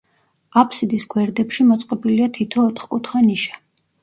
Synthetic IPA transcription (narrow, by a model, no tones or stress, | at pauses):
apʰsid̪isɡwɛɾd̪ɛpʃimɔt̪sʼqʼɔbiliat̪ʰit̪ʰɔːt̪χkʼut̪ʰχaniʃḁ